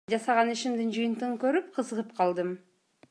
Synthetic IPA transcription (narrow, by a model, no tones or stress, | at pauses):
d͡ʒɑsɑʁɑniʃimd̪ɪnd͡ʒɯjənt̪ɯʁɤkɵɾyp̚qʰəzəʁɯpqʰɑlˠd̪ɯm